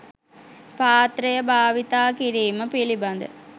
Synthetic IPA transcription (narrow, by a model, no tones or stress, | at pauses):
paːt̪ɾəjəbʱaːʋit̪aːkiɾiːməpilibɐnd̪ə̰